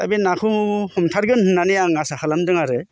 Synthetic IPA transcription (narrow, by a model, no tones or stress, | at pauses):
tabinakʰɯhɔmtʰaɾɡɯnhɯnːanɯjaŋasahʰɯlamdɯŋaɾɯ